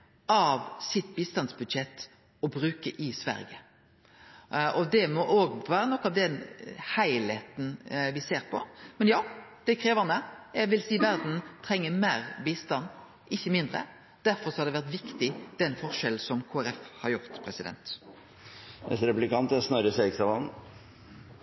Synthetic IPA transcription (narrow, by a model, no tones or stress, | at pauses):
ɑʋsɪt̪biːst̪ɑnsbʉd̪ʃɛt̪ː | ɔbɾʉːkəʔɪsʋæ̰ɾjə̰ | ʔɔd̪ɛmɔʔoːɡʋæːɾənɔkːɑʋd̪ɛnhæɪlheːt̪n̩ʋɪseːɾpʰɔ̰mɛnjɑːd̪̥ɛkʰɾeːʋəʁnəjæɡʋɪlsiːʋæɾd̪n̩t̪ʰɾɛŋːəmeːɾbiːst̪ɑnː | ɪçːəmɪnd̪ɾə̰ | d̪̥æɾfɔɾsɔhɑɾd̪ɛʋæʁt̪ʋɪkt̪ɪd̪̥ɛnfɔʁʂɛl̩sɔmkʰoːæɾɛfhɑɾjʊɾt̪pʰɾɛsɪd̪ɛ̰nt̪ | ɛ̰t̪ɾɛplɪkɑnt̪ɛsnɑɾəseksɑʋɑn